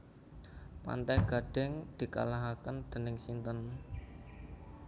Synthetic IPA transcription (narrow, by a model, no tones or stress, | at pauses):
pa̰nt̪ɛɡ̥ä̤ɖ̥ɛ̤ŋd̪̥i̤ka̰laɦakənd̪̥ə̤nɪŋsint̪ən